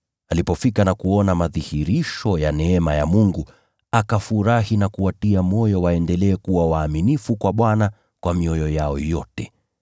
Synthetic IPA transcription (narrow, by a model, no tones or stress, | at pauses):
alipɔfikanakuɔnamaðihiɾiʃɔjanɛɛmaja̰muŋɡu | akafuɾahinakuatiamɔjɔwaɛndɛlɛːkuwawaːminifukwaɓwana | kwamiɔjɔjaɔjɔtɛ